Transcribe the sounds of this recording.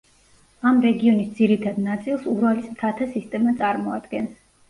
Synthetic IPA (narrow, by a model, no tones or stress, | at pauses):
amɾɛɡiɔnisd̪ziɾit̪ʰad̪nat̪sʼilˠsuɾalismt̪ʰat̪ʰasist̪ʼɛmat̪sʼaɾmɔad̪ɡɛns